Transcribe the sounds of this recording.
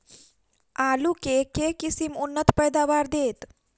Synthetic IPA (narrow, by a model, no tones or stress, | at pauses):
aːlukekekisimʊnːət̪pəjd̪aːʋaːɾd̪eːt̪